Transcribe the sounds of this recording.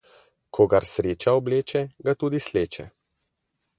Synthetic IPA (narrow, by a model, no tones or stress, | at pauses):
kʰɔɡaɾsɾeːt͡ʃaɔbleːt͡ʃɛɡat̪uːd̪isleːt͡ʃɛ̰